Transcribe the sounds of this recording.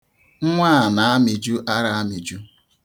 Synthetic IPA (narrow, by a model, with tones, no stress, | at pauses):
ŋ̩˦ŋʷa˦a˨na˨˦a˦mɪ˨d͡ʒu˦ʔa˦ɾa˦a˦mi˨d͡ʒu˦